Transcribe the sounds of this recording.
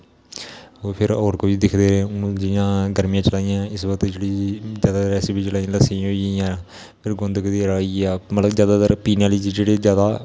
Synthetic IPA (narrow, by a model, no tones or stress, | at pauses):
oːpʰɪɾɔːɾkobiːd̪ɪkʰd̪eːɾeːʊnd͡ʒɪjãːɡəɾmijãːt͡ʃəlaːijãːɪsbəkət̪d͡ʒeːɽiːzjaːd̪aːd̪ɾɛːsebiːt͡ʃəlaːiãːləsĩɦoːijãː | pʰɪɾɡʊ̃nd̪əkd̪iːəɾaːiːaːmət̪ləzjaːd̪aːd̪əɾpiːnãːliːd͡ʒid͡ʒeːɽeːd͡ʒjaːd̪aː